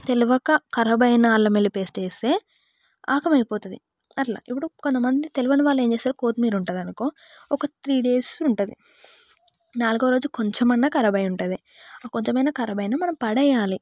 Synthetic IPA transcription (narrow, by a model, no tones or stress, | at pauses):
t̪e̞luʋɐkɐkɐɾɐbɐjnɐːlːɐmelːipeːsʈeːst̪eː | aːkɐmɐjpɔːt̪und̪i | ɐʈla̰ːipːuɽukont̪ɐmɐnd̪it̪eluʋɐniʋaːlːe̞ːmt͡ʃeːsaːɾuko̞ːt̪miːɾuɳʈaːd̪ɐnukoː | ɔkɐt̪ɾiːɖe̞ːsuɳʈud̪i | naːluɡɐʋɐɾoːd͡ʒukoɲt͡ʃemɐnːɐkɐɾɐbɐjuɳʈɐd̪iko̞ɲt͡ʃemɐjnɐkɐɾɐbɐjnɐmɐnɐmpɐɽɛjaːli